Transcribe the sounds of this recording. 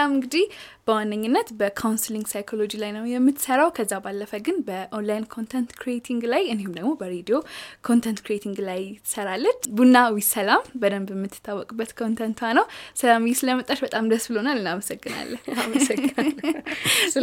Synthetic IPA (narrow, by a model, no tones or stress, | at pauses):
amɨŋɡɨd̪ihb̥əwanːəɲːɨnːət̪bəkʰawnsɨliŋɡsajkʰolo̞d͡ʒilajnəwjɛmːɨt̪ːsəɾawkʰəzːabalːəfəɡɨnbəʔonlajnkʰont̪ʰɛnt̪kʰɾiet̪ʰiŋɡlajɨnehumd̪əɡmobəɾed̪iokʰo̞nt̪ʰɛnt̪kʰɾiet̪ʰiŋɡlajt̪ːɨ̥səɾalːət͡ʃbunːawisəlambəd̪əmbəmːɨt̪ʰːɨ̥t̪ʰːawːɔkʼubːət̪kʰont̪ʰənt̪ʰanəwsəlamjisɨləmət̪ʼːaʃbət̪ʼamd̪əsbɨlonalːɨnaməsəɡːɨna̰lːə